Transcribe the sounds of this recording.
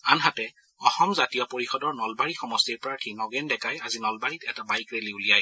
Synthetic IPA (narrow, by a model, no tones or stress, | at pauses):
anɦatɛ | ɔxɔmzatijɔpoɹixɔdɔɹnɔlbaɹixɔmɔstiɹpɹaɹtʰinɔɡɛndɛkajazinɔlbaɹitɛtabajkɹeliulijaj